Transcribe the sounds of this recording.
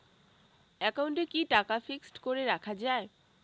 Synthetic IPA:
ɛkauɳʈekiʈakafiksʈkoɾeɾakʰad͡ʑae

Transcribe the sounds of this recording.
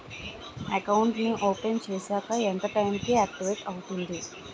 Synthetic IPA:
ɐkɐwuɳʈniʔo̞ːpent͡ʃeːsaːkɐent̪ɐʈɐjmkiaːk̚ʈiʋeʈɐwut̪und̪i

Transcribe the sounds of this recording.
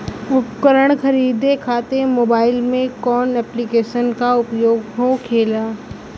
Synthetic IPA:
ʊpkəɾəɽ̃xɐɾiːd̪ekʰaːt̪emoːbaːɪlmẽkɔːnɛːplikeːʃənkaʊpjoːɡɦokʰeːlaː

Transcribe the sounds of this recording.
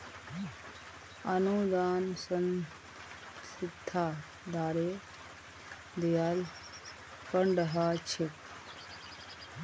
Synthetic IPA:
ɐnud̪aːnsən | sɪt̪ʰːaː | d̪aːɾeː | d̪ejaːl | pəɳɖɦaːt͡ʃʰik

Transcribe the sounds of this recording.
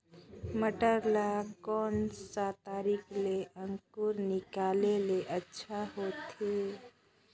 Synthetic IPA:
məʈəɾlakɔnsat̪aɾikʰleʔəŋkuɾnikaleleʔətːʃʰaɦot̪ʰe

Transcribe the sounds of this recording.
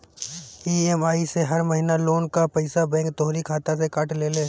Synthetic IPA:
iːemaːiseɦɐɾməɦinaloːnkapɐɪsabɛ̃ːŋk̚t̪ɔɦɾikʰaːt̪asekaːʈleːleː

